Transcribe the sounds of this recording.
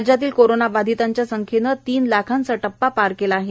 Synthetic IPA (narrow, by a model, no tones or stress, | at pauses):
d͡ʑat̪iːlkoɾonaʋad̪ʱit̪aɲt͡ɕjasəŋkʰenət̪iːnlakʰant͡səʈəpːapaɾkelaːɦe